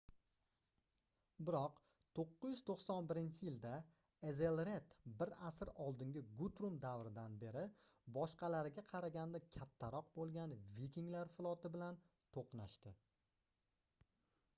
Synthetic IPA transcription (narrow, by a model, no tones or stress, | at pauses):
bɪɾɒq | t̪ʰoqːɨzjʏz̥t̪ʰoqsɒnbɪɾɪnt͡ʃʰɪjɪld̪a | ezelɾe̞t̪bɪɾasɪɾɒlˠd̪ɪŋɡʲɪɡut̪ɾumd̪avɾɪd̪anbe̞ɾɪbɒʃqɑlaɾɪɡʲaqʰɑɾaɡʲand̪akʲʰat̪ʰːaɾɒqbolˠɡʲanvikʲiŋlaɾfɪlˠɒt̪ɪbɪlan | t̪ʰoqnaʃt̪ɪ